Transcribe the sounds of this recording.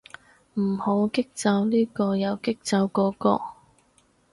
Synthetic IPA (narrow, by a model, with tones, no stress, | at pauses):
m̩˨˩ho˨˥wkɪ˥k̚t͡sɐ˧wliː˥kɔː˧jɐ˨˧wkɪ˥k̚t͡sɐ˨˧wkɔː˨˥kɔ̰ː˧